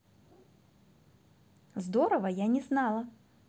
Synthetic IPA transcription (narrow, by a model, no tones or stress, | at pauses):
zd̪oɾəvɐjanʲɪznɑlˠɐ